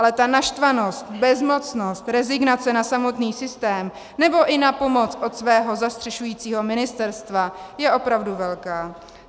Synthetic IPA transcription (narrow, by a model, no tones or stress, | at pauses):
alɛt̪anaʃt̪vano̞st̪bɛzmo̞t͡sno̞st̪ɾɛzɪɡnat͡sɛnasamo̞t̪niːsɪst̪ɛːm | nɛbo̞ʔɪnapo̞mo̞t͡sʔo̞t̪svɛːɦo̞zast̪r̥ɛʃujiːt͡siːɦo̞mɪnɪst̪ɛɾst̪vajɛʔo̞pɾavduvɛlkaː